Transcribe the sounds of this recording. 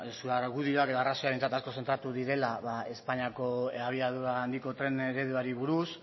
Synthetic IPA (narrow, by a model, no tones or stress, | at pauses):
suaɾɣuðioake̞ðoarasoaɾe̞nt͡sat̪asko̞se̞nt̪ɾat̪uðiɾe̞laβae̞spaɲiako̞aβ̞iaðuaːnd̪iko̞t̪ɾe̞neɾe̞ðuaɾiβuɾus